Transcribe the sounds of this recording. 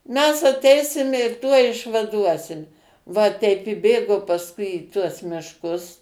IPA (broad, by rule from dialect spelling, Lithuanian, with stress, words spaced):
mʲɛs ɐˈtʲɛɪsʲɪmʲɛ ɪr ˈtuɔj ɪʃʋɐˈduɔsʲɪm ʋɐ ˈtʲɛɪp ɪ ˈbʲeːɡoː pɐsˈkʊɪ iː tuɔs mʲɪʃˈkʊs